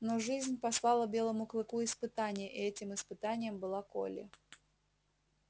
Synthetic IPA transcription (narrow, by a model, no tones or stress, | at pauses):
noʐɨzʲnʲpɐslˠɑlˠəbʲe̞lˠəmʊklˠɨkuɪspɨt̪anʲɪjəʔɪɛtʲɪmɨspɨt̪anʲɪjəmbɨlˠako̰lʲɪ̰